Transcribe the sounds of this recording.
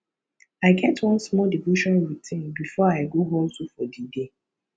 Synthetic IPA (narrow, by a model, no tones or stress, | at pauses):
aɪɡɛtwʌ̃nsmɔldivoʃɔ̃nɹitʰĩnbifɔaɪɡoɦõltufɔdide